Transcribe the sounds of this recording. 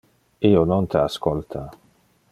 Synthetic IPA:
ionont̪ʰeaskolt̪ʰa

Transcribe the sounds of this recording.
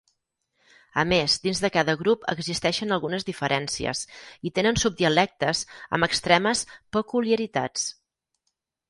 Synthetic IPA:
əmezd̪inzðəkaðəɣɾupə̰ɡzist̪ɛʃənəlˠɣunəzðifəɾʔɛnsiə̰sit̪enənsub̚d̪iəlɛk̚t̪əzə̰məkst̪ɾɛməspəkuliəɾit̪a̰t͡s

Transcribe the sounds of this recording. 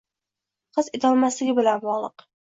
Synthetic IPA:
qɨzet̪ʰɒlˠmaslɪɡʲɪbɪlanbɒʁlˠɨq

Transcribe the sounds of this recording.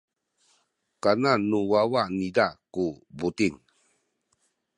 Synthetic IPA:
kananuwawanidakubut̪iŋ

